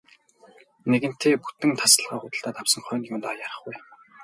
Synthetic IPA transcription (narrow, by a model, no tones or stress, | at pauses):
neɣɘ̆n̥t̪ʰeːput̪ɘ̆ŋt̪ʰasə̆ɮʁaːχʊt̪ə̆ɬt̪aːt̪awsə̆ŋχœːnjuːnt̪ajaɾə̆χɡuj